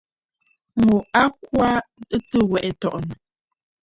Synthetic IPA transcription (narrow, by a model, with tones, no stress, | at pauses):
mu˨a˦kwa˦ə˦tə˦wɛ˨ʔɛ˨tɔ˨ʔnə˨